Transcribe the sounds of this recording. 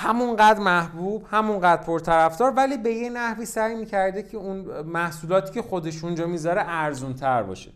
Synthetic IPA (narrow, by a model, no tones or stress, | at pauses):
hæmunɢæːd̪ɾmæhbuːb̥hæmuŋɢæːd̪ɾ̚pʰoɾt̪ʰæɾæfd̪ɒːɾvæliːbe̞jenæhviːsæjmiːcʰæɾd̪ecʰeunmæhsuːlɒːt̪ʰiːcʰe̞xo̞d̪e̞ʃund͡ʒɒːmiːzɒɾeʔæɾzunt̪ʰæɾbɒ̰ːʃe